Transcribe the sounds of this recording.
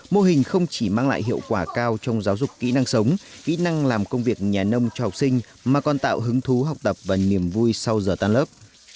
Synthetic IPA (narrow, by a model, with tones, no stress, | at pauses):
mo˧ɦï˨˩ŋ̟xə˧wŋ͡mt͡ɕi˧˩maː˧ŋla̰ː˧˨jɦḭ˧˨əwkwaː˧˩kaː˧wt͡ɕɔ˧wŋ͡mzaː˨˦wzʊ˨˩k͡p̚ːḭ˧˥na˧ŋsə˨˦wŋ͡mkḭ˧˥na˧ŋlaː˨˩mkə˧wŋ͡mvi˨˩ək̚ɲaː˨˩nə˧wŋ͡mt͡ɕɔ˧ha˨˩wk͡p̚sï˧ŋ̟ | maː˨˩kɔ˨˩nt̪a̰ː˧˨wɦɨ˨˦ŋt̪ʰu˨˦ɦa˨˩wk͡p̚t̪ə˨˩p̚vaː˨˩ni˧˩əmvu˧jsa˧wzəː˨˩t̪aː˧nləː˦˥p̚